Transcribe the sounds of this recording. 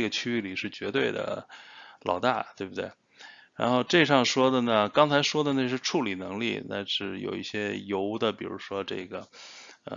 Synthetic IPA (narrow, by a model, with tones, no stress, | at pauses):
ɡə˩t͡ɕʰy˥y˥˩li˨˩ʂɻ̩˥˩t͡ɕɥɛ˧˥t̪we˥˩ɪd̪ə̰˩lʔɑ̰˨˩ʊt̪a˥˩t̪we˥˧ɪbu˩t̪we˥˩ɪ | ɻa̰˧˥nxo˥˧ʊʈ͡ʂe˥˧ʂɑ˥˩ŋʂwɔ˥d̪ə˨nə˩kɑ˥ŋt͡sʰa˧˥ɪʂwɔ˥d̪ə˨na˥˧ʂ̬ɻ̩˥˧ʈ͡ʂʰu˥˩li˨˩nɤ˧˥ŋlḭ˥˩na̰˥˩ɪʂɻ̩˥˩jo̰˨˩ʊḭ˥˩ɕjɛ˥jo˧˥ʊd̪ə˨pi˨˩ɻṵ˧˥ʂwɔ˥ʈ͡ʂɤ̰˥˩ɡə˩ | ə̰˧